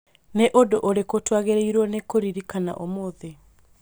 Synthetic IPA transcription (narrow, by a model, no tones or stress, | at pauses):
neʔodoʔoɾekotwaɣeɾeiɾwɔnekoɾiɾikana̰ʔomoðe